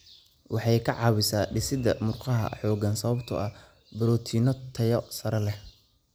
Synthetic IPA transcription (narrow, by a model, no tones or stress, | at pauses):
wɑħɑjkʰɐʕɑːwɪsaːɖɪsɪd̪ɐ̰mʊrqɑɦɐ̰ħɔːɡɐnsɐβɐbt̪ʰɐ̰ʔɐ | bɐɾɔːt̪ʰinɔt̪ʰɐjɔsɐɾɐlɛh